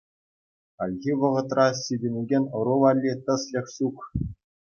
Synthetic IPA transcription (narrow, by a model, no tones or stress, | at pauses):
ɑlʲɣʲiʋɤ̆ʁɤ̆t̪rɑsʲidʲĕnʲiɡʲenʲɤ̆ɾuʋɑlʲːit̪ɤ̆slʲĕχɕuk